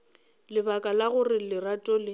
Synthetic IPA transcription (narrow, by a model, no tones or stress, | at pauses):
lɪbakʼalaɣʊrɪlɪratʼɔlɪ